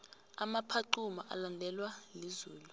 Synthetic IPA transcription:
amapʰaǃumaʔa̰landʱɛlwalizuːlu

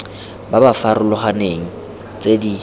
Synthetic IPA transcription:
babafaɾʊlɔχaneŋ̩ | t͡sʼedi

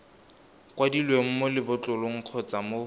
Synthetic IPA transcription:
kwadilweŋ̩mʊlɪbʊt͡ɬʼʊlʊŋ̩q͡χʰɔt͡samo

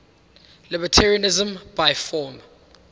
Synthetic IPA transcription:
lɪbətʰɛɹiɔnɪzə̃mb̥ajfɔm

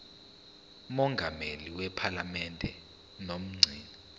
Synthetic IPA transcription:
mɔŋɡʱameliwɛpʰalamɛndʱɛ | nom̩ŋ͡ǀʱiːni

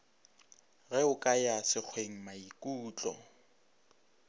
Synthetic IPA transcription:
ɣɛʊkʼajasɪk͡xʰweŋ̩maikʼuːt͡ɬʼɔ̰

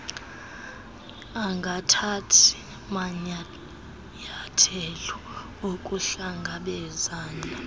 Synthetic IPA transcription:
aŋɡʱatʰatʰi̥ | maɲ | ɲatʰɛlɔ | okʼuɬaŋɡʱaɓɛzaːnd͡ɮʱa

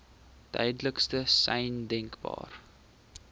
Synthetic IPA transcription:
tœ̰jdələkstəsɛjndɛŋkbɑ̰ːr

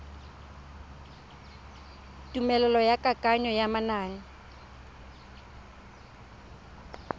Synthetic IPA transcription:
tʼumɛlɛlɔjakʼakʼaɲɔjamanaːnɪ

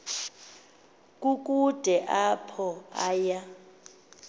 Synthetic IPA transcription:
kʼuk̬ʼud̥ʱɛʔapʰɔaːja

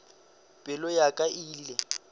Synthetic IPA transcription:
pʼɪlɔjakʼaʔilɛ

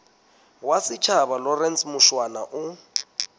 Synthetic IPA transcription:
wasɪt͡ʃʰaβalɔrɛnsmʊʃwana̰ʔʊ

